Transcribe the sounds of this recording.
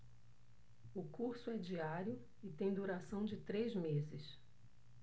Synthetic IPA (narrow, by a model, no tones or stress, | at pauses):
ʊkuɾsʊɛd͡ʒiaɾjʊ | ɪt̪ẽj̃d̪uɾasɐ̃w̃d͡ʒɪt̪ɾezmezɪs